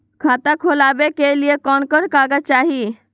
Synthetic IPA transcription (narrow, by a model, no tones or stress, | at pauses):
kʰaːt̪ãkʰolaːbekeliekɔːnkɔnkaːɡət͡ʃaːɦi